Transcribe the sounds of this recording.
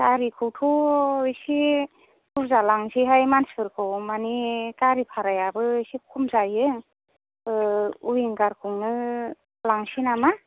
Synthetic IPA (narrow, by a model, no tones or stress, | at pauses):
taɾikʰɯwtʰɔisi | kuɾzalaŋsiɦajmansɯɾkʰɯwmanitaɾipʰaɾajabɯsikʰumzajɯ | uiŋɡaɾkʰuŋnɯ | laŋsinama